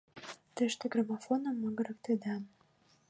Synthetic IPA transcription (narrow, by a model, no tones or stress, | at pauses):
t̪øʃt̪eɡramofonə̆mːəɡə̆ɾə̆k̚t̪ed̪ɑn